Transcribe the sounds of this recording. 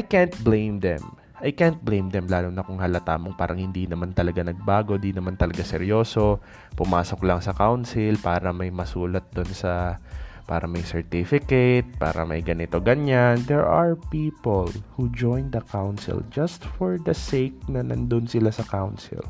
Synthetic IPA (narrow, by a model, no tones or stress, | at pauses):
ʔʔajkant̪̚blẽjmd̪ɛ̰m | ʔajkant̪̚blẽjmd̪ɛmlaːlonɐkʊŋhalɐt̪aːmoŋpaːɾʔɐŋhɪnd̪inɐmant̪ɐlɐɡanɐɡ̚baːɡo̞d̪inɐmant̪ɐlɐɡasɛɾjo̞ːso̞ | pʊmaːso̞klɐŋsɐkawnsɪlpaːɾɐmɐjmɐsuːlɐt̪̚d̪onsɐ | pa̰ːɾɐ̰mɐjsɛɹt̪ifɪkɛt̪̚pa̰ːɾɐ̰mɐ̰jɡɐnɪt̪o̞ɡɐɲand̪ɛɹaɹpiːpolhud͡ʒojnd̪ɐkawnsɪ̰ld͡ʒɐst̪foɹd̪ɐsejk̚nɐnɐ̰nd̪onsɪlasɐkawnsɪ̰l